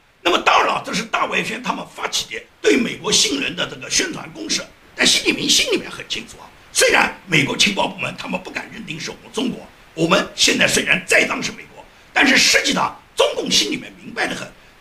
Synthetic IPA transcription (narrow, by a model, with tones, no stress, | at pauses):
na˥˩mə˩t̪ɑ˥ŋ˥˩ə˨˩ʈ͡ʂɤ˥˧ʂ̬ɻ̩˥˧t̪a˥˩we˧˥˩ɪɕɥɛ˥nt̪ʰa˥mə˨nfa˥t͡ɕʰi̥˨˩jɛ˥t̪we˥˩y˥me˨˩ɪkwɔ˧˥ɕi˥˩ŋɻə̰˧˥nd̪ə˧ʈ͡ʂɤ˥˩ɡə˩ɕɥɛ˥nt̪ʰwa̰˧˥nkʊ˥ŋʂɻ̩˥˩ | t̪a˥˩nɕi˥nli˨˩mɛ˥n˥ɕi˥nli˨˩mjɛ̰˥nxə˨˩nt͡ɕʰi˥nt͡sʰu˨˩ɐ̰˦ | swe˥ɪɻa̰˧˥nme˨˩ɪkwɔ˧˥t͡ɕʰi˧˥ŋpɑ˥˧ʊp̬u˥˩mə˧˥nt̪ʰa˥mə˨pu˥˩ka̰˨˩nɻə˥˩nt̪i˥ŋʂɻ̩˥˩wɔ̰˨˩mə˦nt͡sʊ˥ŋkwɔ̰˧˥ | wɔ˨˩mə˦nɕjɛ˥˧nt͡sa˥˩ɪswe˥ɪɻa˧˥nt͡sa˥˩ɪt͡sɑ˥ŋʂɻ̩˥˩me˨˩ɪkwɔ̰˧˥ | t̪a˥˧nʂ̬ɻ̩˥˧ʂɻ̩˥˧t͡ɕi˥˩t̪ɑ̰˥˩t͡sʊ˥ŋkʊ˥˩ŋɕi˥nli˨˩mjɛ̰˥nmi˧˥ŋpa˧ɪd̪ə˩xə̰˨˩˦n